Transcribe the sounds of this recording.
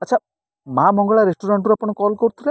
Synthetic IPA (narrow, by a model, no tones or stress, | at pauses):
ɐtːt͡ʃʰa | mamɔŋɡɔɭaɾesʈuɾaɳʈɾapɔɽ̃ɔkɔlkɔɾut̪ʰuɾe